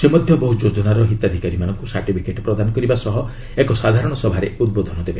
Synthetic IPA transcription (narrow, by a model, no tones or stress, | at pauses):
semɔd̪ʱjɔbɔɦud͡ʒod͡ʒɔnaɾɔɦit̪ad̪ʱikaɾimanɔŋkusaɾʈipʰikeʈpɾɔd̪anɔkɔɾibasɔɦɔ | ekɔsad̪ʱaɾɔɽ̃ɔsɔbʱaɾeud̪̚bod̪ʱɔnɔd̪ebe